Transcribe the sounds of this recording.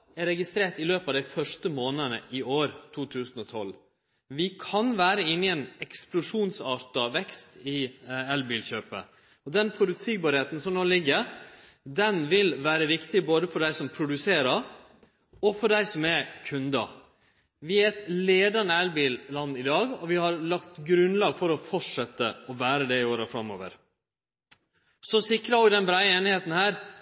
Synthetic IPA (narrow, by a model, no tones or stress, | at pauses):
ɛɾɛɡɪst̪ɾeːʈ̪ɪløːpɑʋd̪æɪfœʂtəmoːnənəʔɪʔoːɾt̪ʰuːt̪ʰʉːsən̩ɔt̪ʰɔl | ʋɪkʰɑnʋæːɾəɪnːɪɛnɛksplʊʂuːnsɑːɾt̪ɑʋɛkst̪ɪɛlbiːlçøːpə̰ | ɔd̪ɛnpʰɾʊb̪ʉt̪siːɡ̚bɑːɾheːt̪n̩sɔmnoːlɪɡːəɾ | d̪ɛnʋɪlʋæːɾəʋɪkt̪ɪboːd̪əfɔɖæɪsɔmpʰɾʊd̪ʉseːɾɑɾ | ɔfɔɖæɪsɔmɛkʰʉnd̪ɑ̰ | ʋɪæɾɛt̪leːd̪ɑnəɛlbiːllɑnːɪd̪ɑːɡɔʋɪhɑɾlɑkt̪ɡɾʉnlɑːɡfɔɾɔfɔʂɛt̪ːə̰ɔbæːɾəd̪ɛɪoːɾɑfɾɑmo̰ːʋə̰ɾ | sɔsɪkɾɑʋɪd̪ɛnbɾæɪəeːnɪheːt̪n̩hæːɾ